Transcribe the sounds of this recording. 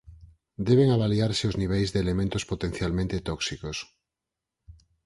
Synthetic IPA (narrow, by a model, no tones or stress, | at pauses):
d̪eβ̞eŋaβaliaɾseozniβ̞ejzðeːlemẽnt̪ospot̪en̟θjalmẽnt̪et̪ɔksikos